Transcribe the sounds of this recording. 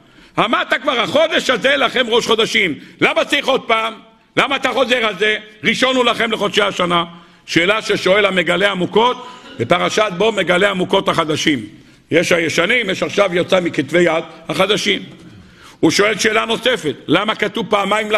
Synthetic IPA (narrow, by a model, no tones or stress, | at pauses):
hamaʁt̪akvaʁhaχo̞d̪e̞ʃazelaχe̞mʁo̞ʃχo̞d̪aʃimlamasiχod̪̚paːm | lamaːt̪aχo̞ze̞ʁalzeʁiʃo̞nulaχe̞mleχo̞d̪ʃeaʃana | ʃeːlaʃeʃo̞e̞lame̞ɡale̞amuko̞t̪bepaʁaʃat̪̚bo̞me̞ɡale̞amuko̞t̪haχad̪aʃim | jeʃhajeʃanimjeʃaχʃavjot͡samikit̪ve̞jad̪haχad̪aʃim | uʃo̞e̞lʃe̞ːlano̞se̞fe̞t̪̚lamakat̪uvpaːmaimla